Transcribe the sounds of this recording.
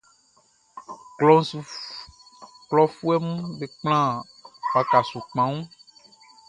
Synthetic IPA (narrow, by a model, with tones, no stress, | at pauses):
ɔ˦ | klɔ˦fu˦ɛ˦mũ˦be˨k͡pl̃ã˦ | wa˨ka˨su˨k͡pã˨˦ŋũ˦